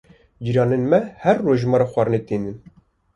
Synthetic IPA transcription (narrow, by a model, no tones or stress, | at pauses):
d͡ʒiɾɑːnenmɛhɛrːoʒmɑːɾɑxʷɑɾɨnet̪eːnɨn